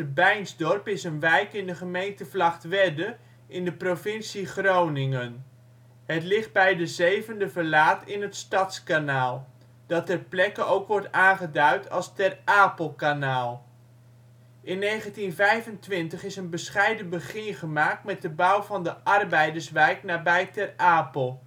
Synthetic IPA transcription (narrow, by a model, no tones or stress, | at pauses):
əbɛjnzdɔrpɪsənʋɛjkɪndəχəmejntəvlɑχtʋɛdə | ʔɪndəprovɪnsiχrownɪŋən | ɦətlɪχd̚bɛjdəzejvəndəvəɹlaːtɪnɦətstɑtskanaːlˠ | d̥ɑtɛrplɛkəowkʋɔɹtaːnχədœɥtʰɑ̰lˠstɛrʔaːpəlˠkanaːlˠ | ʔɪnːejχəntinvɛjvəntʋɪntəχɪsənbəsχɛjdəbəχɪχəmaːk̚tmɛt̚dəbʌwvɑndəʔɑrbɛjdəɹsʋɛjknaːbɛjtɛraːpəlˠ